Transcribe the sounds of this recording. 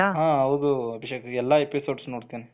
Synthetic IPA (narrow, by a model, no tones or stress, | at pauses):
aɦãːɦɐwd̪uɐbʱiʃekɐɛlːɐepisoːɖsnoːɽt̪ini